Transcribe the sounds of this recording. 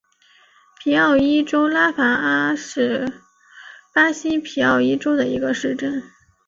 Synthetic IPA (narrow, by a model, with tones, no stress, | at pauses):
pʰi˧˥ɑ˥˩ʊi˥ʈ͡ʂo˥ʊla˥fa˧˥a˥ʂɻ̩˥˩ | pa˥ɕi˥pʰi˨˧˥ɑ˥˩ʊi˥ʈ͡ʂo˥ʊd̪ə˨i˧˥ɡə˧ʂɻ̩˥˧ʈ͡ʂə˥˩n